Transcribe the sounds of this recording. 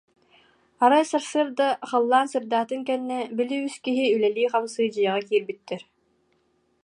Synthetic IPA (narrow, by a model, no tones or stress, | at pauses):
aɾajsaɾsɯɾd̪aχɯlˠːaːnsɯɾd̪aːt̪ɯŋkɛnːɛbiliyskiɦiylɛliːχamsɯːd͡ʑɯjaʁakiːɾbit̪ːɛɾ